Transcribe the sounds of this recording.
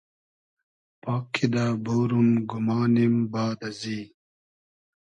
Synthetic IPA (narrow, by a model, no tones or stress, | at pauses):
paːkʰːid̪abowɾumɡumɑːnimbɑːd̪aziː